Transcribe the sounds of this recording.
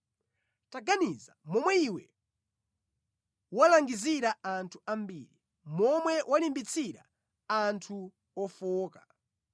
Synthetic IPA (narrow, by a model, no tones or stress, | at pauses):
taɡanizamɔmwɛiwɛ | walaŋɡiziɾaantʰu̥ambḭːɾi | mɔmwɛwʔalimbit͡sʰiɾa̰ | antʰu | ɔfɔːkḁ